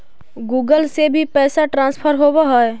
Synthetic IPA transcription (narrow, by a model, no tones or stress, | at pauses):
ɡuːɡəlsebʱipɛːsaʈɾãːnspʰəɾɦobaɦɔe